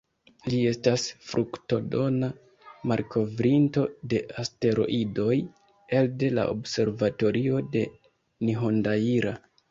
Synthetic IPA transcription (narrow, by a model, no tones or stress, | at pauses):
lie̞stasfɾʔukto̞do̞na | maɾkʰo̞vɾinto̞de̞ʔaste̞ɾo̞̰ʔido̞j | e̞lde̞la̰ʔo̰bse̞ɾvato̞ɾio̞de̞ | niɦo̞ndaiɾa